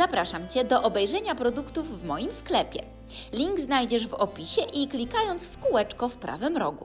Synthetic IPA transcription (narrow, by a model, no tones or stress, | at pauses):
zapɾaʂamt͡ɕɛd̪ɔʔɔbɛjʐɛɲapɾɔd̪ukt̪uvːmɔjimsklɛpʲɛ̰ | lʲiŋɡznajd͡ʑɛʐvɔpʲiɕɛʔiklʲikajɔnt̪sfkuwɛt͡ʂkɔfpɾa̰vɘmɾɔ̰ɡṵ